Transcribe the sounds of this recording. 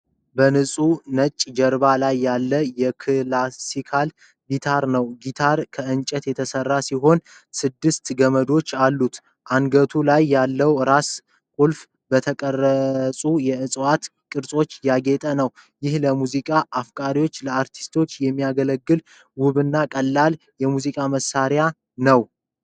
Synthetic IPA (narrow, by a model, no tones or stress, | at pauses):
bənɨsʼunət͡ʃʼːd͡ʒəɾbalajːalːəjɛkʰɨlasikʰal | ɡit̪ʰaɾnəwɡit̪ʰaɾkʰəɨnt͡ʃʼət̪jɛt̪ʰəsərːasiɦo̞n | sɨd̪ːɨst̪ɡəməd̪o̞t͡ʃːalːut̪ | ʔanɡət̪ʰulajːalːəwɾas | kʼulf | bət̪ʰəkʼərːəsʼujɛɨsʼwat̪ | kʼɨɾsʼo̞t͡ʃːjaɡe̞t̪ʼənəwjɪhləmuzikʼaʔːfkʼaɾiwo̞t͡ʃːləaɾt̪ʰi̥st̪ʰo̞t͡ʃːjɛmːijaɡələɡːɨl | wʊβɨnːakʼəlːal | jɛmuzikʼaməsːaɾja | nəw